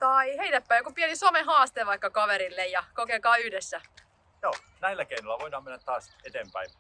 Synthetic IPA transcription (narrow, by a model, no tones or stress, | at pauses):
t̪ɑiheinæpːæˑijokupienisomeɦɑːst̪eːʋɑikːɑkɑʋeɾilːejjɑkokekɑːyhdesːæ | joː | næilːˑækeinolːɑʋoidɑːmenːæt̪t̪ɑːset̪eːmpæi